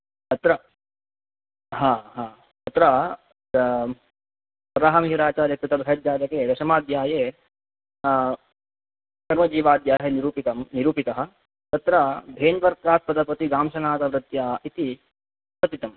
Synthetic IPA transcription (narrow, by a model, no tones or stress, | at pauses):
t̪ɐt̪ɾɐ | ɦaːɦaː | t̪ɐt̪ɾɐ | pɾaːɦɐmɦiɾaːt͡ʃaːɾjɐk̚t̪ɐt̪ɐbʱɾɐɐd̪jaːd͡ʒ̪ɐkeːd̪ɐʃɐmaːd̪jaːjeː | kɐɾmɐd͡ʒiːʋaːd̪jaːɦɐniɾuːpit̪ɐmniɾuːpit̪ɐɦɐ̆ | t̪ɐt̪ɾɐb̪ʱeːnpɐɾkaːspɐd̪ɐpɐt̪iɡaːmʃɐnaːt̪ɐʋɾɐt̪jaːit̪i | sɐt̪it̪ɐm